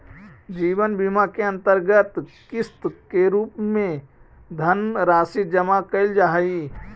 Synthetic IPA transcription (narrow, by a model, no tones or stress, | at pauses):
d͡ʒiːʋənbimakeɐ̃nt̪əɾɡət̪kɪst̪keɾuːpmẽ | d̪ʱənɾaːsid͡ʒɐmakəɪld͡ʒaɦi